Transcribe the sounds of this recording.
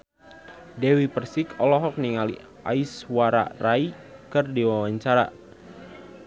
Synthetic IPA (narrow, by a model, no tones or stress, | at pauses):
dɛwipərsikʰɔlɔɦɔk̚niŋalḭ | ʔa̰iswaɾa̰raikɨrdiwawaɲt͡ʃaɾa̰